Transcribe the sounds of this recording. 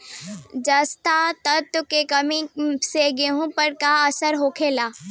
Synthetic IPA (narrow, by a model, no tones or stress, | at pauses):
d͡ʒɐst̪at̪ɐɾ̚t̪ʊkekɐmiseɡeɦũpəɾkaɐsəɾɦoːkʰeːlaː